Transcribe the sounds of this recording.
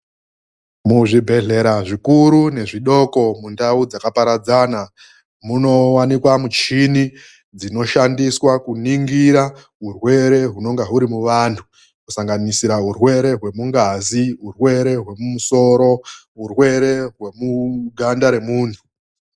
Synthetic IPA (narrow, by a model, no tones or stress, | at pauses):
muʐibʱe̞ɮe̞ɾaʐikuɾune̞ʐiɗo̞ko̞mundaud͡zakapaɾad͡zaːna | muno̞wanikwamut͡ʃini | d͡zino̞ʃandiswakuniŋɡiɾa | ɦurwe̞ɾe̞ɦuno̞ŋɡaɦuɾimuʋantʰu | kusaŋɡanisiɾaɦurwe̞ɾe̞ɦwe̞muŋɡaziɦurwe̞ɾe̞ɦwe̞mumuso̞ɾo̞ɦurwe̞ɾe̞ɦwe̞muɡʱandaɾe̞muːntʰu̥